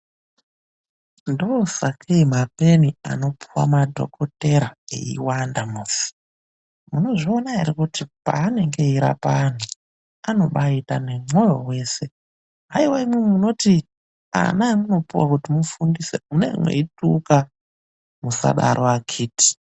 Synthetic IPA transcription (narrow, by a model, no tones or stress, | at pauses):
ndoːsakʰeimape̞nia̰no̞pʰuwa̰madʱo̞̰kʰo̞te̞ɾaḛḭwandamuːsi̥ | muno̞ʐionaeɾikutipa̰ːne̞ŋɡe̞iɾa̰pan̤u | ano̞ɓaitane̞mwo̞jo̞we̞ːse̞ | ɦaiwaimwumumuno̞ti | a̰namuno̞puwakutimufundiseune̞̰mwḛituka | musa̰ɗaɾʔoaɡʰʱiːti̥